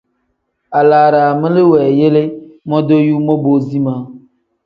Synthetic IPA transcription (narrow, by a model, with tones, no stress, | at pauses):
a˨la˨ɾa˨mẽ˦le˦wɛ˨je˦le˦mɔ̃˦d̪o˦ju˦mɔ̃˦bo˦zi˦mã˨